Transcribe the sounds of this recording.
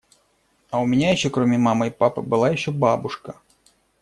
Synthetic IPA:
ɐʊmʲɪnʲajɪɕːɔkɾomʲɪmamɐipapɨ̰bɨlˠajɪɕːɔbabʊʂkɐ

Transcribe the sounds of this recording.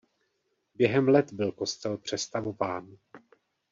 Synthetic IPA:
bjɛɦɛmlɛt̪bɪlko̞st̪ɛlpr̝̥ɛst̪avo̞vaːn

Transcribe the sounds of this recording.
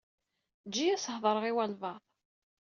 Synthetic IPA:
d͡ʒːijæshðˤəɾəʁiwælvɑ

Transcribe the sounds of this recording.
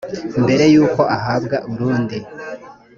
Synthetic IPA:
mbe̞ɾe̞juːko̞ʔaɦabɡaʔuuɾuːndi

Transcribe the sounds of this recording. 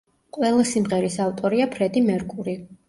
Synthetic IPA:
qʼwɛlˠasimʁɛɾisavt̪ʼɔɾiapʰɾɛd̪imɛɾkʼuɾi

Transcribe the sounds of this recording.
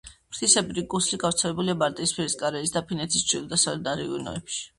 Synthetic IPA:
pɾt̪ʰisɛbɾiɡusliɡavɾt̪sʰɛlɛbuliabaɾt̪ʼiːspʰiɛɾiskʼaɾɛisd̪apʰinɛt̪ʰist͡ʃʰʼḭlˠd̪asalɛd̪aɾiṵnɔ̰ɛpʃi̥

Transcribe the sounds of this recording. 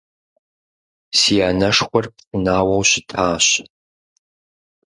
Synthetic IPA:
sijaːnɐʂxʷɔrpsʼɨnaːwɐwɕɪtʰaːɕ

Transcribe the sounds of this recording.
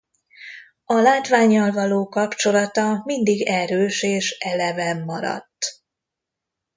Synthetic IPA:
ɒlaːt̪vaːɲːɒlvɒloːkɒpt͡ʃo̞lɒt̪ɒmind̪iɡɛɾøːʃeːʃɛlɛvɛmːɒɾɒ̰t̪ː

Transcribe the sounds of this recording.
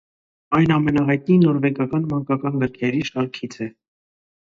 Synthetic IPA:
ɑjnɑmɛnɑɦɑjt̪ninɔɾvɛkɑkɑnmɑŋkɑkɑnɡəɾkʰɛɾiʃɑɾkʰit͡sʰɛ

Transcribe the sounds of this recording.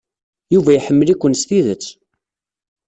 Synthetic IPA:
juvæjħəmːəlikʷːənst̪iðət͡sː

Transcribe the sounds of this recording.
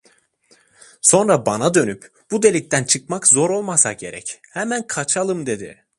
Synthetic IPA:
so̞nɾabanad̪ø̞nyp | b̥ud̪e̞lʲic̚t̪ænt͡ʃʰɯk̚makzo̞ɾo̞lˠmasaɟe̞̰ɾɛ̰chɛmænkʰat͡ʃʰalˠɯmd̪e̞d̪ɪ̰

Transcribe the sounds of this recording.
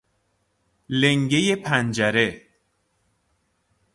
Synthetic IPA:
leŋɟejepʰænd͡ʒæɾe

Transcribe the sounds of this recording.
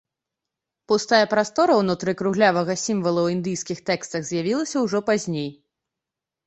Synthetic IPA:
pust̪ajɐpɾast̪ɔɾɐwnut̪ɾɨkɾuɣlʲavɐɣɐsʲimvɐlˠɐwind̪ɨjskʲixt̪ɛkst̪ɐɣzʲjavʲilˠɐsʲɐwʐɔpazʲnʲej

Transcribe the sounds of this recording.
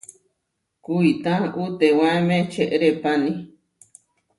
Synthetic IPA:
kuit̪ãʔut̪ewãemẽt͡ʃeʔɾepani

